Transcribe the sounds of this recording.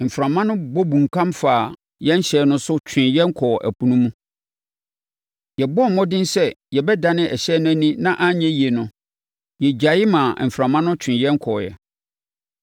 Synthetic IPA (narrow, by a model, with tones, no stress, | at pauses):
m̩˨fɾã˨mã˦nʊ̃˦bɔ˦bũ˨ŋ˨kʰã˦mfaː˨ | jɛ̃˦n˦ɕɛː˦nʊ̃˦sʊ˦t͡ɕᶣʰɪ̃˨njɛ˦ŋ̩˦kʰɔ˨ʔæ̰˨pʰu˨nũ˦mũ˦ | jɛ˨bɔ˦m̩˨mɔ̃˦dɪ̃˦n˦sɛ˦jɛ˨bɛ˦da˨nɪ̃˦ʔɛ˨ɕɛː˦nʊ̃˦æ˦nĩ˦nã˦ʔa˦ɲɛ̃˦ji˨e˨nʊ̃˨ | jɛ˨d͡ʑa˨jɪ˦mã˨m̩˨fɾã˨mã˦nʊ̃˦t͡ɕᶣʰɪ̃˨jɛ̃˦ŋ̩˦kʰɔ˨jɛ̰˨